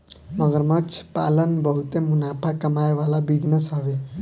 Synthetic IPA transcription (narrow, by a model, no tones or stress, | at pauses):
məɡəɾmət͡ʃʰpa̰ːlənbəɦut̪emunapʰakəmajʋalabid̪nəsɦəʋe